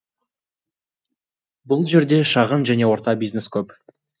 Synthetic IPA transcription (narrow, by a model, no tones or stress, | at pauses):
bʊlˠʒe̞ɾd̪e̞ʃɑʁənʒæne̞wo̞ɾt̪ɑbijzneskʲʰɵp